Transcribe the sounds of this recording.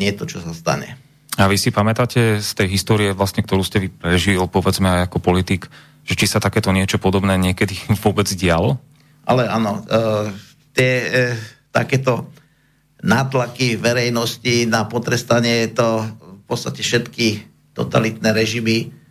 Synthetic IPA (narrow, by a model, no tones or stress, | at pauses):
ɲɪɛt̪ɔt͡ʃɔsast̪a̰ɲɛ̰ | aʋisipamɛt̪aːcɛst̪ɛjɦist̪ɔːɾiɛʋlasɲɛkt̪ɔɾuːscɛʋipɾɛʒilpɔʋɛd͡zmɛajakɔpɔlit̪iːk | ʒ̥ɛt͡ʃisat̪akɛːt̪ɔɲɪɛt͡ʃɔpɔd̪ɔbnɛːɲɪɛkɛd̪iʋʊɔbɛd͡zɟɪalɔ | ʔa̰lɛa̰nɔ | t̪ɪɛ | t̪a̰kɛːt̪ɔ | naːt̪lakiʋɛɾɛjnɔscinapɔt̪ɾɛst̪aɲɪɛjɛt̪ɔfpɔt̪t͡sst̪acɛfʃɛt̪ki | t̪ɔ̰t̪a̰lit̪nɛɾɛʒimi